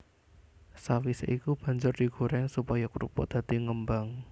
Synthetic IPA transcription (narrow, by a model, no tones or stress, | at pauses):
sawisḛʔikub̥ä̤ɲd͡ʒʊrd̪̥i̤ɡ̥o̤ɾɛŋsupajakuɾupɔ̰d̪̥ä̤t̪iŋəmbaŋ